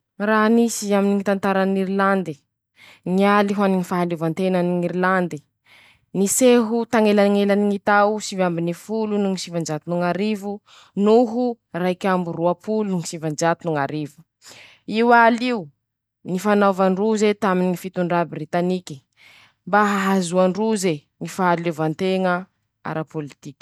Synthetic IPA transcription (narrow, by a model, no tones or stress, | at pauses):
raɦnisiaminiŋit̪ant̪aɾaniɾiland̪i | ŋialiɦuaniŋifaɦaluvant̪enaniŋiɾiland̪i | niseɦut̪aŋelaŋelaniŋit̪awsivambinifulunuŋisivand͡ʒat̪unuŋaɾivu | nuɦu | rajkʲamburuapulunuŋisivand͡ʒat̪unuŋaɾivu̥ | iwaliu | nifanavaɳruzet̪aminiŋifit̪uɳɖ͡ʐabrit̪aniki̥ | mbaɦaɦazuaɳɖ͡ʐuze | ŋifaɦalevant̪eŋə | a̰ɾʔapolit̪ikʲi̥